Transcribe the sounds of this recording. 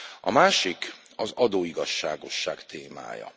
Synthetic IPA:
ɒmaːʃik | ɒzɒd̪oːiɡɒʃːaːɡo̞ʃːaːkt̪eːma̰ːjɒ̰

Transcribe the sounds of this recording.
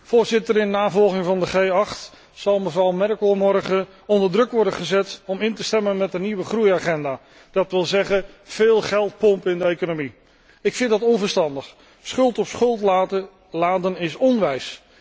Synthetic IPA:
v̥ʊːɹzɪtəɾɪnnaːvɔlˠχɪŋvɑndəχejɑχt | sɑlˠməvrɑwmɛrkəlˠmɔɹχə | ɔndəɹdrɵkʋɔɹdənχəzɛtɔmɪntəstɛmənmɛtdəniʋəχrujaːχɛndaː | d̥ɑtʋɪlˠzɛχə | v̥ɪːlˠχɛlˠt̚pɔmpɪndəejkonomi | ɪkfɪntdɑtɔnvəɹstɑndəχ | sχɵlˠtɔpsχɵlˠta | laːdənɪsɔnʋɛjs

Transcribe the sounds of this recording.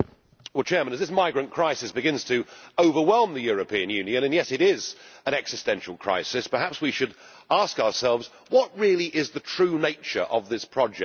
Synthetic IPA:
lˠt͡ʃʰɛɹmə̃nɨzðɪs̬maɪɡɹɨ̃nkʰɹ̥aɪsɨsb̥ɨɡɪ̃nz̥tʰɨoʊvə˞wɛlˠmðɨjʊɹɨpʰĩɨ̃njʉ̃njɨ̃ñɨ̃njɛɾɨɾɪzə̃ñɛksɨstɛ̃nʃl̩ˠkʰɹ̥a̰ɪsɪspə˞ɦæpswiʃɨɾ | ɑskəəsɛlˠvz | wɒt̚ɹɪlˠiʔɪzðɨtʰɹ̥ʉːneɪt͡ʃə̰˞ʔəvðɪspʰɹ̥ɑd͡ʒɛ̰

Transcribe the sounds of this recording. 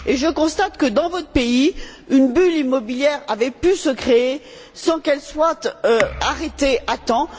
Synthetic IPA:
eʒəkɔ̃st̪at̪kəd̪ɑ̃vɔt̪χəpei | ynbylimɔbiljɛʁavɛpysəkχee | sɑ̃kɛlswat̪øaʁet̪eʔat̪ɑ̃

